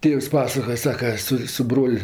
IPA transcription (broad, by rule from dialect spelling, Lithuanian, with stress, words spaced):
ˈtʲeːws ˈpɑːsɐkoːjɛ ˈsɑːkɐ ˈsʊ sʊ ˈbroːlʲ